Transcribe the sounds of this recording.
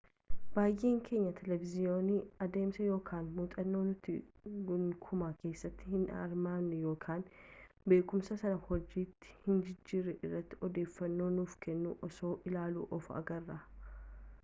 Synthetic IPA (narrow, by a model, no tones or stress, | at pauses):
b̥aːjʔe̞ːŋkʰe̞ːɲːɐt̪ʰɛlɛvɪzɪjo̞ːniːɐd̪e̞ːmsɐjo̞ːkʰaːnmuːt̪ʼɐnːo̞ːnʊt̪ːɪɡʊŋkʰʊmaːke̞ːsːɐt̪ːɪhɪnɐ̰ɾmaːmnɛjo̞ːkʰaːn | be̞ːkʊmsɐsɐnɐhɔd͡ʒiːt̪ːɪ̥hɪnd͡ʒɪd͡ʒːiːɾɛʔɪrːɐt̪ːɪɔd̪e̞ːfːɐnːo̞ːnuːfkɛnːṵːʔɔso̞ːʔɪlaːlṵːʔɔfɐ̰ɡɐrːa